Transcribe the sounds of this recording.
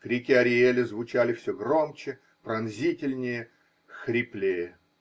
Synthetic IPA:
kɾʲikʲɪɐɾʲɪelʲɪzvʊt͡ɕalʲɪfsʲɵɡromt͡ɕɪ | pɾɐnzʲitʲɪlʲnʲɪjə | xɾʲɪplʲejə

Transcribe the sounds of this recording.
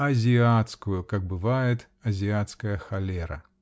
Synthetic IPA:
ɐzʲiat̪skujukɐɡ̚bɨvajɛt̪ | ɐzʲiat̪skɐjɐxalʲɛɾɐ̰

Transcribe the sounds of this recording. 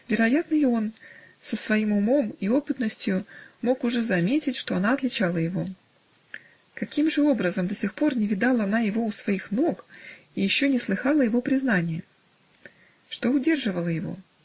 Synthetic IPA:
vʲɪɾɐjat̪nɨjo̞n | səsvɐimʊmo̞mio̞pɨt̪nəsʲtʲjʊmo̞kʊʐɛzɐmʲetʲɪtʲʂt̪o̞ɐnaɐt̪lʲɪt͡ɕalˠəjɪvo̞ | kɐkʲimʐɨo̞bɾəzəmd̪əsʲɪxpo̞rnʲɪvʲɪd̪ɑlˠəɐnajɪvo̞ʊsvɐixno̞k | ijɪɕːo̞nʲɪslˠɨxɑlˠəjɪvo̞pɾʲɪznanʲɪjə | ʂt̪o̞ʊdʲe̞rʐɨvəlˠəjɪvo̞̰

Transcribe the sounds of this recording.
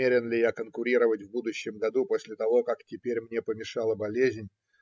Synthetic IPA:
eɾʲɪnlʲɪjakənkʊɾʲiɾəvətʲvbud̪ʊɕːɪmɡɐd̪uposʲlʲɪt̪ɐvo̞kaktʲɪpʲeɾʲmnʲe̞pəmʲɪʂɑlˠəbɐlʲezʲnʲ

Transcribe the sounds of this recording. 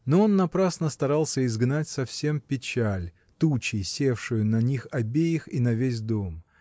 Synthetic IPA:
noo̞nːɐpɾasnəst̪ɐɾalˠsʲəɪzɡnatʲsɐfsʲempʲɪt͡ɕælʲ | t̪ut͡ɕɪjsʲe̞fʂʊjʊnɐnʲixɐbʲejɪxinɐvʲes̬ʲd̪o̞m

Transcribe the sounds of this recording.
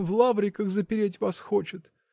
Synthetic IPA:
vlˠavɾʲɪkəxzəpʲɪɾʲetʲvasxo̞t͡ɕɪt̪

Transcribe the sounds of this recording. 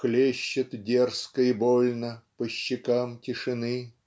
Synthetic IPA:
klʲeɕːɪt̪dʲerskəɪbolʲnəpəɕːɪkamtʲɪʂɨnɨ

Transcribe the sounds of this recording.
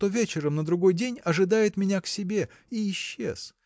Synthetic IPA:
t̪o̞vʲet͡ɕɪɾəmnəd̪ɾʊɡo̞jdʲenʲɐʐɨd̪ajɪt̪mʲɪnʲaksʲɪbʲe | iɪɕːḛs

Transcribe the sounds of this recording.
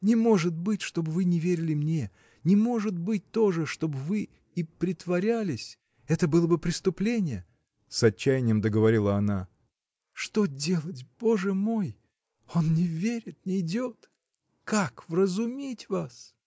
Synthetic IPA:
nʲɪmo̞ʐɨt̪̚bɨtʲʂt̪o̞bvɨnʲɪvʲeɾʲɪlʲɪmnʲe̞ | nʲɪmo̞ʐɨt̪̚bɨt̚ʲt̪o̞ʐɨʂt̪o̞bvɨ | ipɾʲɪt̪vɐɾʲælʲɪsʲ | ɛt̪əbɨlˠəbɨpɾʲɪst̪ʊplʲenʲɪjə | sɐt͡ɕːæjɪnʲɪjəmd̪əɡəvɐɾʲilˠəɐna | ʂt̪o̞dʲe̞lˠətʲb̥o̞ʐɨmo̞j | o̞nnʲɪvʲeɾʲɪt̪̚nʲɪɪdʲot̪ | kakvrəzʊmʲitʲvas

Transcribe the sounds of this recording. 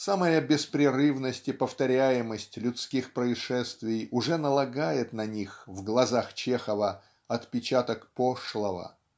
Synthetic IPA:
saməjəbʲɪspɾʲɪɾɨvnəsʲtʲɪpəft̪ɐɾʲæjɪməsʲtʲlʲʊt̪skʲixpɾəɪʂɛst̪vʲɪjʊʐɛnəlˠɐɡajɪt̪nɐnʲixvɡlˠɐzaxt͡ɕexəvə | ɐt̪pʲɪt͡ɕat̪əkpoʂlˠəvə̰

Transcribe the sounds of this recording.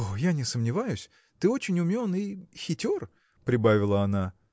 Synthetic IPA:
ojanʲɪsəmnʲɪvajʊsʲ | t̪ɨo̞t͡ɕɪnʲʊmʲonɨxʲɪtʲor | pɾʲɪbavʲɪlˠəɐna

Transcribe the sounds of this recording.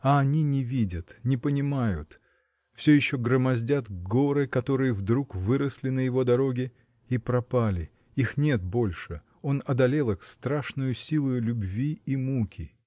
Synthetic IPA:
ɐɐnʲinʲɪvʲidʲət̪nʲɪpənʲɪmajʊt̪ | fsʲɵjɪɕːo̞ɡɾəmɐzʲdʲat̪ɡo̞ɾɨkɐt̪o̞ɾɨjəvd̪ɾukvɨɾəsʲlʲɪnəjɪvo̞d̪ɐɾo̞ɡʲɪ | ipɾɐpalʲɪ | ixnʲe̞t̪̚bo̞lʲʂɨ | o̞nɐd̪ɐlʲelˠɨxst̪ɾaʂnʊjʊsʲilˠʊjʊlʲʊbvʲiimukʲɪ

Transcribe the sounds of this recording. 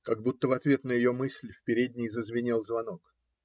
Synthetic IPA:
kaɡ̚but̪ːəvɐt̪vʲe̞t̪nəjɪjomɨsʲlʲfpʲɪɾʲed̪ʲnʲɪjzəzvʲɪnʲilˠzvɐnok

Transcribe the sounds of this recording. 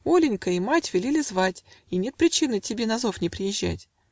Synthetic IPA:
o̞lʲɪnʲkəimatʲvʲɪlʲilʲɪzvatʲinʲe̞t̪̚pɾʲɪt͡ɕinɨtʲɪbʲe̞nɐzo̞fnʲɪpɾʲɪjɪʑːæ̰tʲ

